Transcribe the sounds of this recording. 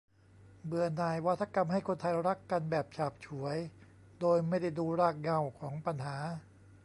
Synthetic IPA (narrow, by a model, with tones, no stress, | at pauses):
bɯ˧ənaː˨˩jwa˦˥t̪ʰːa˧ka˧mha˥˩jkʰo˧nt̪ʰa˧jɾa˦˥kːa˧nbɛː˨˩p̚t͡ɕʰaː˨˩p̚t͡ɕʰu˩˦əj | doː˧jma˥˩jda˥˩jduː˧ɾaː˥˩k̚ŋa˧˩wkʰɔː˩˦ŋpa˧nɦaː˩˦